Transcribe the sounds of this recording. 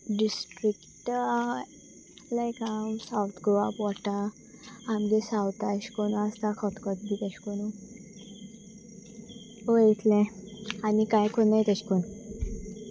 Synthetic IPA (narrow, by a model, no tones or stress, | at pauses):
ɖisʈɾikʈ | lajkamsawt̪ʰɡoapɔʈã | amɡesawt̪aɕkonuast̪akʰɔt̪kɔt̪̚bit̪ɛɕkonu | ojet̪ʰlɛ̃anikajkʰonːajt̪aɕkon